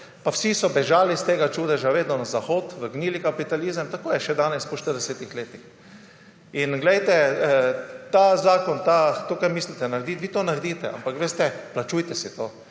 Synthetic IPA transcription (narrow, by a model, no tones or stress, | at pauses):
pawsisɔbɛʒaːlist̪eːɡat͡ʃuːd̪ɛʒaʋeːd̪nɔnazaxoːt̪ʋəɾɡniːlikapit̪aliːzəmt̪akoːjɛʃɛd̪aːnɛspɔʃt̪əɾd̪ɛsɛt̪ixleːt̪ix | inɡlɛjt̪ɛ | t̪azaːkɔnt̪at̪oːkaɾmiːslit̪ɛnaɾd̪iːt̪ʋiːt̪oːnaɾd̪iːt̪ɛa̰mpakʋeːst̪ɛplat͡ʃuːjt̪ɛsit̪oː